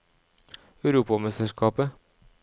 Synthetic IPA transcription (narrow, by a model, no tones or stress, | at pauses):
œʉɾuːpɑmɛst̪əskɑːpə